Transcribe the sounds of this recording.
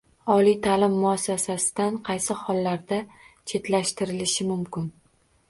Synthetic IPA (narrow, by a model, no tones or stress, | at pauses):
ɒlijt̪ʰalɪmːʊasːasasɪ̥d̪anqʰɑjsɪhɒlːaɾd̪at͡ʃʰe̞t̪laʃt̪ɪɾɪlɪʃɪmʊmkʲɪn